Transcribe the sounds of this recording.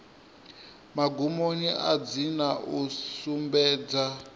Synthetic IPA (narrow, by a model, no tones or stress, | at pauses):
maɡʱumoniʔad͡zinausumbɛːd͡za